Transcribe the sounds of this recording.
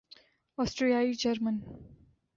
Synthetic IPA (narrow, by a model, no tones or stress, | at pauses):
ɔsʈɾijaid͡ʒɐɾmə̃n